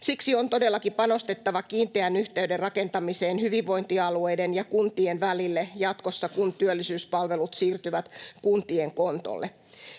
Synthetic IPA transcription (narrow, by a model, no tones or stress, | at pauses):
siksio̞nt̪o̞de̞lːɑkipɑno̞st̪e̞t̪ːɑʋɑkiːnt̪eænyht̪eyderrɑke̞nt̪ɑmise̞ːnhyʋiʋʋo̞jnt̪iɑlue̞jdenjɑkunt̪ienʋælilːejɑt̪kosːɑkunt̪yølːisyːspɑlʋe̞lut̪siːrt̪yʋæt̪kunt̪ieŋko̞nt̪o̰lːʔe